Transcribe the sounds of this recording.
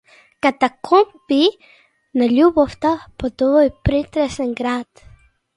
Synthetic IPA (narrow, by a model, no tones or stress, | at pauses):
kat̪akʰompi | naʎuβaft̪apot̪oepɾit̪ɾeseŋɡɾat̪